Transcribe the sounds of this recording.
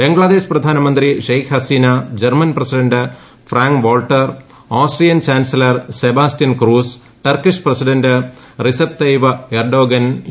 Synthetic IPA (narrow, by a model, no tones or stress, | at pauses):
beŋɡɭɐd̪eːʂprɐd̪ʱaːnɐmɐnd̪ɾiʂejkʰhɐsiːnɐd͡ʑɐrmɐnprɐsiɖɐɳɖɨ | fraːŋkʋoːlʈːɐr | aːsʈrijɐnt͡ɕaːnsɐlɐrsebaːsʈjɐnkɾuːs | ʈɐrkiʂprɐsiɖɐɳɖɨ | risɐp̚t̪ɐjʋɐerɖoːɡɐn